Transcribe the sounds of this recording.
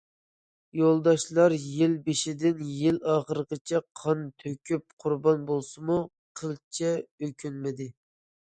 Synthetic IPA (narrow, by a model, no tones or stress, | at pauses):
jolˠd̪ɑʃlˠɑɾjɪlbɪʃɪd̪ɪnjilɑːχəɾəqət͡ʃʰɛqʰɑnt̪ʰøkʲʰyp̚qʰʊɾbɑnbolˠsɨmu | qʰəlˠt͡ʃʰɛøkʲʰynmɪd̪ɪ